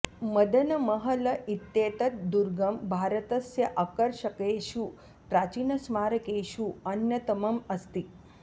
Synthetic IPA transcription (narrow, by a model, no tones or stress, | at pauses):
məd̪ʱənəməɦələit̪ːet̪ət̪̚d̪uɾɡɐmbʱaɾət̪ɐsjɐʔakəɾʃəkeɕuː | pɾat͡ɕiːnɐsmaɾkeɕuɐnjɐt̪əmɐmɐst̪i